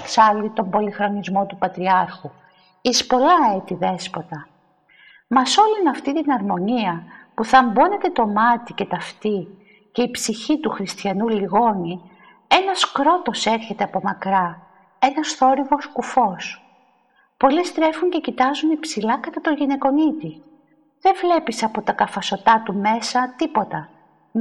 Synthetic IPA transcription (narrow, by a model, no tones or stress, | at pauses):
ksɐlit̪o̞mbo̞lixɾo̞nizmo̞t̪upɐt̪ɾiɐɾxu | ispo̞lɐet̪iðe̞spo̞t̪ɐ | mɐso̞linɐft̪it̪inɐɾmo̞niɐpuθɐmbo̞ne̞t̪e̞t̪o̞mɐt̪ice̞t̪ɐft̪i | ce̞ipsiçit̪uxɾist̪çɐnuliɣo̞ni | e̞nɐskɾo̞t̪o̞se̞ɾçe̞t̪e̞ɐpo̞mɐkɾɐ | e̞nɐsθo̞ɾivo̞skufo̞s | po̞list̪ɾe̞fuɲce̞cit̪ɐzunipsilɐkɐt̪ɐt̪o̞ʝine̞ko̞nit̪i | ðe̞vle̞pisɐpo̞t̪ɐkɐfɐso̞t̪ɐt̪ume̞sɐt̪ipo̞t̪ɐ